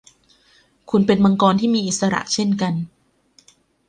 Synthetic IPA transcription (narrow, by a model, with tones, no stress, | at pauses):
kʰu˧npe˧nma˧ŋkɔː˧nt̪ʰiː˥˩miː˧ʔi˨˩t̪sa˧ɾa̰˨˩ʔt͡ɕʰe˥˩nka˧n